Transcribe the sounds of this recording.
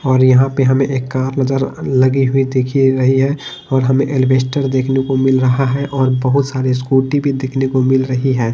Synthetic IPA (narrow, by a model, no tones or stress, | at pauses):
ɔːɾjɐɦãpeɦɐmẽʔeːkːaːɾnəd͡ʒəɾləɡiɦʊid̪eːkʰiɾɐɦiɦɛ | ɔːɾɦɐmẽʔelbeːsʈəɾd̪eːkʰnekomɪlɾəɦaɦɛʔɔːɾbəɦʊt̪saːɾes̬kuːʈibʱid̪eːkʰnekomɪlɾəɦiɦɛː